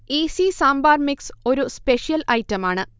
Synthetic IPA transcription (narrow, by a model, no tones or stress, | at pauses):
isisaːmbaːrmikso̞ɾuspeʂijɐlɐjtːɐmaːɳɨ